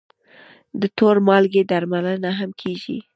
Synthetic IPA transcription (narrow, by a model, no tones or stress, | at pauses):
d̪ət̪oɾmɑlɡed̪aɾmalənaɦamkʰeʒḭ